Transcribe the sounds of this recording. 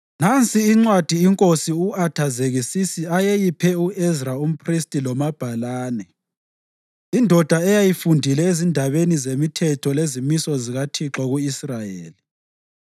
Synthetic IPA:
nant͡sʼiːŋ͡ǀwad̥ʱiːŋkʼosiuatʰazeɣisisiajejipʰɛuɛzraum̩pʰʼristʼilɔmab̥ʱalaːnɛ | indʱɔd̥ʱaɛjajifundʱilɛezindʱaβenizemitʰɛtʰɔlezimisɔziɣatʰiǁɔɣuisrajḛːli

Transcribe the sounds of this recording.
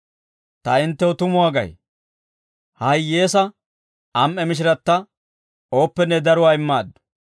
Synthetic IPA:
t̪ɐɪnt̪ːɛɔt̪ʊmʊwaːɡɐ̰j | hɐjjːe̞ːsɐ | ɐmʔɛmɪʃ̬ɪɾɐt̪ːɐ | o̞ːpːɛnːɛd̪ɐɾʊwaːɪmːaːd̪ːʊ̥

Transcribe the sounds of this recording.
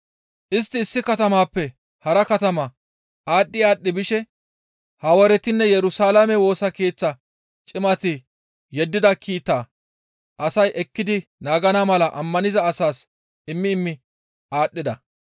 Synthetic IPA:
ʔɪst̪ːɪːsːɪkɐt̪ɐmaːpːɛ | hɐɾɐkɐt̪ɐmɐ | aːɗːɪaːɗːɪbɪʃɛ | hɐwɔɾɛt̪ɪnːɛjɛɾʊsaːlɐmɛwo̞ːsɐke̞ːt͡sːɐ | t͡ʃʼɪmɐt̪ɪ | jɛd̪ːɪd̪ɐkʰiːt̪ːaː | ʔɐsɐjʔɛkːɪd̪ɪnaːɡɐnɐmɐlɐʔɐmːɐnɪzɐːsaːs | ɪmːɪːmːɪ | aːɗːɪd̪ɐ

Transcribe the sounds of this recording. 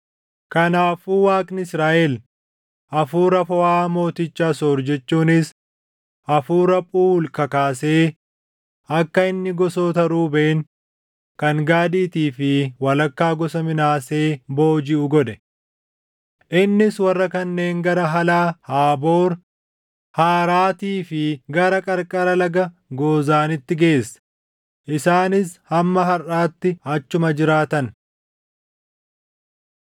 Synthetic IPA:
kɐnaːfuːwaːkʼnɪɪsɾaːʔɛl | ʔɐfuːɾɐfɐwaːmo̞ːt̪ɪt͡ʃːaːsoːɾd͡ʒɛt͡ʃːuːnɪs | ʔɐfuːɾɐpʼuːlkɐkaːse̞ː | ɐkːɐɪnːɪɡɔso̞ːt̪ɐɾuːbeːn | kɐŋɡaːd̪iːt̪iːfɪwɐlɐkːaːɡɔsɐmɪnaːse̞ːbo̞ːd͡ʒɪʔʊɡɔd̪ɛ | ʔɪnːɪswɐrːɐkɐnːe̞ːŋɡɐɾɐɦɐlaːhaːbo̞ːɾ | haːɾaːt̪iːfɪɡɐɾɐkʼɐɾkʼɐɾɐlɐɡɐ | ɡo̞ːzaːnɪt̪ːɪɡe̞ːsːɐ̥ | ʔɪsaːnɪshɐmːɐɦɐrːaːt̪ːɪɐt͡ʃːʊmɐd͡ʒɪɾaːt̪ɐn

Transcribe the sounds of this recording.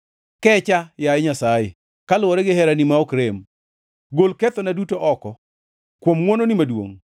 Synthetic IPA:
kɛt͡ʃajajɛɲasaje | kalʊwɔɾɛɡɪhɛɾanimaɔkɾem | ɡolkɛt̪ɔnadutoʔɔkɔ | kwomŋwononɪmadwo̰ŋ

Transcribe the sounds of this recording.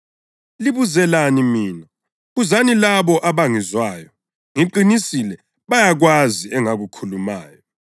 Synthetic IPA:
liβuzɛlanimiːna | ɣuzanilaβɔʔaβaŋizwaːjɔ | ŋiǃinisilɛ | βajaɣwaziɛŋaɣukʰuluma̰ːjɔ

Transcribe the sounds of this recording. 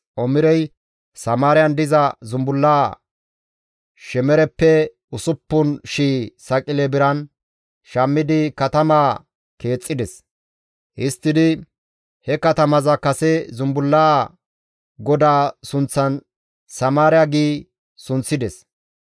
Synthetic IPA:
ʔɔmɪɾɛj | sɐmaːɾɪjɐnd̪ɪzɐzʊmbʊlːaː | ʃɛmɛɾɛpːɛ | ʊsʊpːʊnʃiːsɐkʼɪlɛbɪɾɐn | ʃɐmːɪd̪ɪkɐt̪ɐmaː | ke̞ːt͡sʼːɪd̪ɛs | ʔɪst̪ːɪd̪ɪ | hɛkɐt̪ɐmɐzɐkɐsɛzʊmbʊlːaː | ɡɔd̪aːsʊnt͡sːɐn | sɐmaːɾɪjaɡiː | sʊnt͡sːɪd̪ɛs

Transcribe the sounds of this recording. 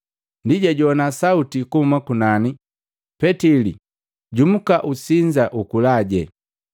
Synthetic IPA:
ndiɟaɟɔnasautikuumakunani | pɛtilḭ | ɟum̩kaʔusiɲd͡ʒaʔukulaɟɛ

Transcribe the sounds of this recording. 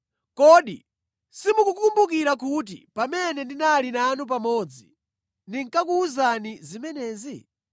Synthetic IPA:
kɔɗḭ | simukukumbuk̬iɾak̬ut̬ḭpamɛnɛndinalinanup̬amɔːd͡zi | ndiŋkakuːzanizimɛnɛːzi

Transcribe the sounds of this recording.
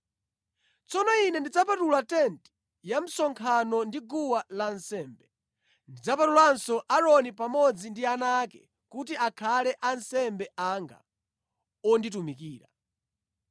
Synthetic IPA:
t͡sɔnɔinɛndid͡zapatulatɛnt | jam̩sɔŋkʰanɔndiɡuwalansɛːmbɛ | ndid͡zapatulansɔʔaɾɔnipamɔd͡zindianakɛ̰ | kutiakʰalɛʔansɛmbɛʔaŋɡa̰ | ɔnditumikiːɾa

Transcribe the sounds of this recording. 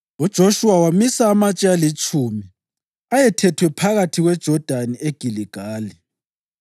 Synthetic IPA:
ud̥ʒ̥ʱoʃuwawamisaːmat͡ʃʼialit͡ʃʼumi | ajɛtʰɛtʰwɛpʰaɣatʰiɣwɛd̥ʒ̥ʱɔd̥ʱanieɡ̥ʱiliɡ̥ʱaːli

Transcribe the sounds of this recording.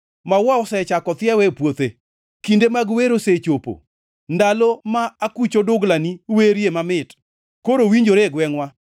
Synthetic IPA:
mawaɔsɛt͡ʃakɔt̪ɪɛwɛpwot̪e | kindemaɡweɾoset͡ʃopo̰ | ndalɔmaakut͡ʃodʊɡlaniweɾjemamɪt | koɾowiɲd͡ʒoɾeɡwɛŋwa

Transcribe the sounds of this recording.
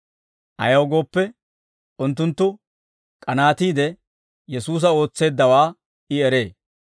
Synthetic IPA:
ʔɐ̰jɐwɡo̞ːpːɛ | ʔʊnt̪ːʊnt̪ːʊ | kʼɐnaːt̪iːd̪ɛ | jɛsuːs̬ɐo̞ːt͡sːe̞ːd̪ːɐwaː | ɪɛɾe̞ː

